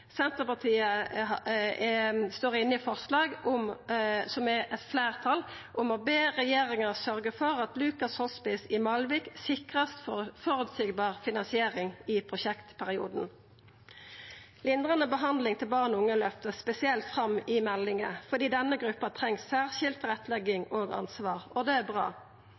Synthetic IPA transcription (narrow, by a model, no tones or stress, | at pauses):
sɛnt̪əʁpɑt̪ʰiːə | st̪oːʁɪnːɪfɔʁslɑːɡʊmsɔmɛʔɛt̪fleːʁt̪ʰɑlʔʊmɔbeːʁɛjeːʁɪŋəsœʁɡəfɔʁɑt̪lʉːkɑshɔspɪsɪmɑlʋɪksɪkʁɑst̪fɔfɔɾʉːt̪sɪɡbɑːʁfɪnɑnsɪeːʁɪŋɪpʰʁʊʃɛkt̪pʰæʁɪṵːd̪n̩ | lɪnd̪ʁɑnəbəɦɑnd̪lɪŋt̪ʰɪlbɑːʁnɔʊŋːəlœft̪əspɛsɪɛlt̪fʁɑmɪmɛlːɪŋəfɔʁd̪iːd̪ɛnːəɡʁʉpːɑt̪ʰʁɛŋsːæːʁʃɪlt̪ʁɛt̪lɛɡɪŋoːɡɑ̰nsʋɑːʁɔd̪ɛæbʁɑ̰ː